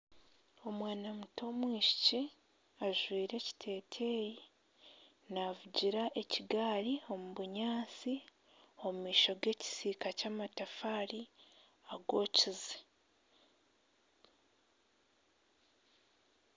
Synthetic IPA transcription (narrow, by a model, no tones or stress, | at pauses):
o̞mwaːnamutʰo̞mwiːʃi̥ci | aʒwiːɾe̞ci̥tʰe̞ːtʰeːji | naːvuɟiɾaʔe̞ciɡaːɾio̞muβuɲaːt͡si | o̞mumiːʃo̞ɡe̞ːci̥siːkacaːmatafaːɾi | aɡo̞ːcize